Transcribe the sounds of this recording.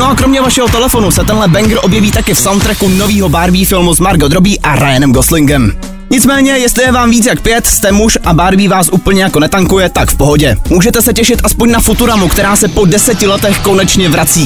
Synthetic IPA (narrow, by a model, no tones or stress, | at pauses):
noʔakɾo̞mɲɛvaʃɛɦo̞t̪ɛlɛfo̞nusɛt̪ɛnlɛbɛŋɡɾ̩ʔo̞bjɛviːt̪akɪfsawnt̪ɾɛkuno̞viːɦo̞baɾviːfɪlmuzmaɾɡod̪ɾobiːʔaɾajanɛmɡoslɪŋɡɛm | ɲɪt͡smɛːɲɛjɛst̪lɪjɛvaːmviːt͡sjakpɪjɛt̪st̪ɛmuʃʔabaɾviːvaːsʔuːpl̩ɲɛjakonɛt̪aŋkujɛt̪akfpo̞ɦo̞ɟɛmuːʒɛt̪ɛsɛcɛʃɪt̪ʔaspoɲnafut̪uɾamukt̪ɛɾaːsɛpo̞dɛsɛcɪlɛt̪ɛxko̞nɛt͡ʃɲɛvɾat͡siː